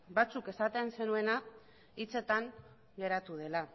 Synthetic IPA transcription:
bat͡suke̞sat̪ense̞nue̞na | it͡se̞t̪aŋ | ɡe̞ɾat̪uð̞e̞la

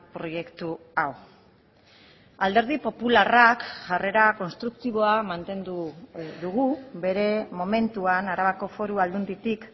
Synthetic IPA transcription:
pɾo̞je̞kt̪u | aw | ald̪e̞ɾð̞ipo̞pularakʝare̞ɾako̞nst̪ɾukt̪iβ̞o̞amant̪e̞nd̪ud̪uɣube̞ɾe̞mo̞me̞nt̪uanaɾaβako̞fo̞ɾuald̪und̪it̪ik

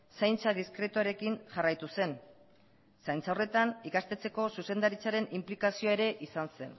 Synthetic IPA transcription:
sajnt͡saðiskɾe̞t̪uaɾe̞kinʝarajt̪use̞n | sajnt͡sawre̞t̪anikast̪e̞t͡se̞ko̞suse̞nd̪aɾit͡saɾe̞nimplikasioe̞ɾe̞ʔisanse̞̰n

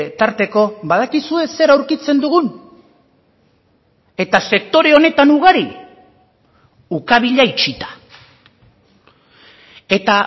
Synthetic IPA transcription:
t̪aɾt̪e̞ko̞βaðakisue̞se̞ɾawɾkit͡se̞nd̪uɣ̞un | e̞t̪ase̞k̚t̪o̞ɾe̞o̞ne̞t̪anuɣ̞aɾi | ukaβ̞iʎait͡ʃit̪ḁ | e̞t̪a

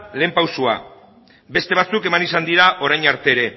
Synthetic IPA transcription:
le̞ːmpawsua̰ | be̞st̪e̞β̞at͡suke̞manisand̪iɾaʔo̞ɾajɲaɾt̪e̞ːɾe̞

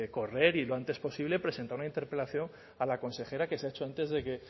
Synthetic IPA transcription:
ko̞re̞ɾilo̞ant̪e̞spo̞siβle̞pɾe̞sent̪aɾunaint̪e̞ɾpe̞laθjoŋ | alako̞nse̞xe̞ɾake̞seaet͡ʃo̞ant̪e̞zðe̞ke̞

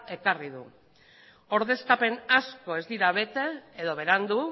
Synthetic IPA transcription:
e̞kariðṵ | o̞ɾðe̞skape̞nasko̞e̞zd̪iɾaβe̞t̪e̞ːðo̞β̞e̞ɾand̪u

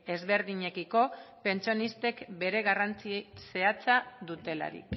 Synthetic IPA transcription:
e̞zβe̞ɾðiɲe̞kiko̞pe̞nt͡sionist̪e̞kbe̞ɾe̞ɣarant͡sise̞at͡saðut̪e̞la̰ɾḭk

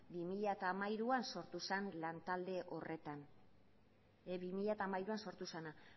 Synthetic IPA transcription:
bimiʎat̪aːmajɾuanso̞ɾt̪usenlant̪ald̪e̞ʔo̞re̞t̪an | eβimiʎat̪aːmajɾuanso̞ɾt̪usena

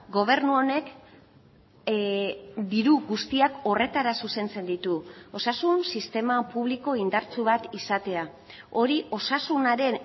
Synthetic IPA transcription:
ɡo̞β̞e̞ɾnuo̞ne̞k | d̪iɾuɡust̪iako̞re̞t̪aɾasuse̞nt͡se̞nd̪it̪uo̞sasunsist̪e̞mapuβ̞liko̞ind̪aɾt͡suβat̪isat̪e̞a | o̞ɾiʔo̞sasunaɾe̞n

